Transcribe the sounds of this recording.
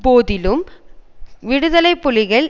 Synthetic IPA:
poːðɪlɯm | ʋɪɽɯðɐlɐɪpːʊlɪɣɐɭ

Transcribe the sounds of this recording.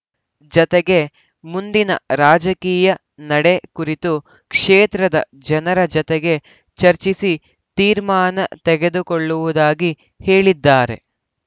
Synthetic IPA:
d͡ʒɔt̪eɡe̞ | mund̪inɐ̰ɾaːd͡ʒɐkiːjɐ | nɐɽe̞kuɾit̪u | kʂeːt̪ɾɐd̪ɐ̰ | d͡ʒɐnɐɾɐd͡ʒɔt̪eɡe̞ | t͡ʃɐɾt͡ʃisi | t̪iːɾmaːnɐ̰t̪ɛɡe̞d̪ukoɭːuʋud̪aːɡi | he̞ːɭid̪ːaːɾe̞̰

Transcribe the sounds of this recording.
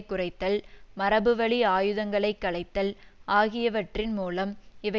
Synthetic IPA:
kːʊrɐɪt̪ːɐlmɐɾɐbɯʋɐɭiaːjɯðɐŋɡɐɭɐɪkːɐɭɐɪt̪ːɐlaːɣɪjɐʋɐʈrɪnmuːlɐmɪʋɐ

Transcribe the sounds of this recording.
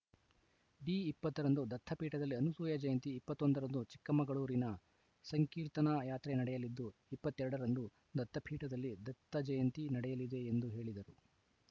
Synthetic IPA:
ɖiːipːɐt̪ːɐɾɐnd̪ud̪ɐt̪ʰːɐpʰiːʈɐd̪ɐlːiɐnusuːjɐd͡ʒɐjɐnt̪iːpːɐt̪ːond̪ɐɾɐnd̪ut͡ʃi̥kːɐmɐɡɐɭuːɾinɐ | sɐŋkiːɾt̪ɐnɐjaːt̪ɾenɐɽɛjɐlid̪ːuipːɐt̪ːɛɾɐɽɐɾɐnd̪u | d̪ɐt̪ʰːɐpʰiːʈɐd̪ɐlːid̪ɐt̪ʰːɐd͡ʒɐjɐnt̪inɐɽɛjɐlid̪e̞ːnd̪uɦe̞ːɭid̪ɐɾu

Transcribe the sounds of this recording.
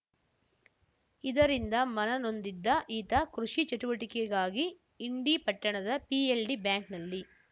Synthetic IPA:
id̪ɐɾind̪ɐmɐnɐno̞nd̪id̪ːɐʔiːt̪ɐkɾuʂit͡ʃɐʈuʋɐʈikɛɐɡaːɡiː | ɳɖipɐʈːɐɳɐd̪ɐpielɖibjaːŋknɐlːi

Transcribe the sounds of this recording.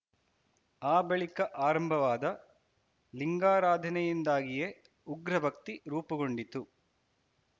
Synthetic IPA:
aːbɐɭikɐʔaːɾɐmbʱɐʋaːd̪ɐ | liŋɡaːɾaːd̪ʱɐnɛjind̪aːɡije | uɡɾɐbʱɐk̚t̪iɾuːpɐɡoɳɖit̪u

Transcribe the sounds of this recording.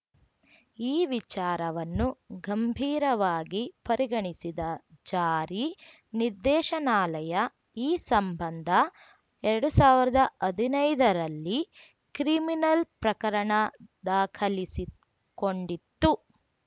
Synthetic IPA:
iːʋit͡ʃaːɾɐʋɐnːuɡɐmbʱiːɾɐʋaːɡipɐɾʔiɡɐɳisid̪ɐd͡ʒaːɾi | niɾd̪ɛːʃɐnaːlɐjɐ | iːsɐmbɐnd̪ʱɐ | ɛɾɐɽusaːʋiɾɐd̪ɐʔɐd̪ʱinɐjd̪ɐɾɐlːi | kɾiminɐlpɾɐkɐɾɐɳɐd̪aːkʰɐlisi | ko̞ɳɖit̪ːu

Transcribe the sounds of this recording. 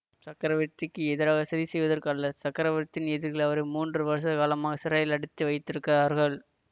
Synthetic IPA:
sɐkːɐɾɐʋɪɾt̪ːɪkːɯɛðɪɾaːɣɐsɐðisɛjʋɐðɐɾkɐlːɐsɐkːɐɾɐʋɪɾt̪ːɪnɛðɯɾɣɐɭɐʋɐɾɯmuːndrɯʋɐɾɐs̬ɐðɐkaːlɐmaːɣɐsɪɾɐːjɪlɐɽɯt̪ːɯʋɐɪt̪ːɪɾɯkːɐɾaːɾɣɐɭ

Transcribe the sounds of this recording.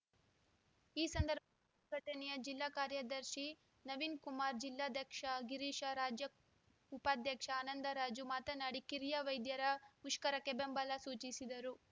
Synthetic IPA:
iːsɐnd̪ɐɾbʱɐ | ɡʱɐʈɐnɛjɐd͡ʒilːaːkaːɾjɐd̪ɐɾʃi | nɐʋiːnkumaːɾd͡ʒilːaːd̪ʱjɐkʂɐɡiɾiːʃɐɾaːd͡ʒjɐ | upaːd̪ʱjɐkʂɐaːnɐnd̪ɐɾaːd͡ʒumaːt̪ɐnaːɽikiɾijaʋɐjd̪jɐɾɐmuʂkɐɾɐkːebembɐlɐsuːt͡ʃisid̪ɐɾu

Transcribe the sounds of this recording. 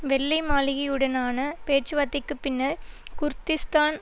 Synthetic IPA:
ʋɛlːɐɪmaːlɪɣɐɯɽɐnaːnɐpeːʈt͡ʃːɯʋɐt̪ːɪkːɯpːɪnːɐɾkʊɾt̪ːɪst̪aːn

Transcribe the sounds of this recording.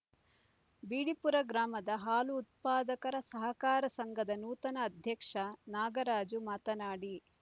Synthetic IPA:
biːɽipuɾɐɡɾaːmɐd̪ɐɦaːluːt̪̚paːd̪ɐkɐɾɐsɐɦɐkaːɾɐsɐŋɡʱɐd̪ɐnuːt̪ɐnɐːd̪ʱjɐkʂɐnaːɡɐɾaːd͡ʒumaːt̪ɐnaːɽi

